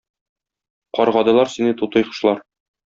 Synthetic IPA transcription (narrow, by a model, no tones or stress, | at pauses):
qɒɾʁɒd̪ɤ̆lˠɑɾsinɘt̪ut̪ɤ̆jqɤ̥̆ʃlˠɑɾ